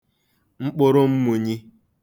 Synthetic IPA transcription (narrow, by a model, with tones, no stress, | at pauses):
ŋ͡m̩˦k͡pʊ˦ɾo˦m̩˦mu˨ɲi˦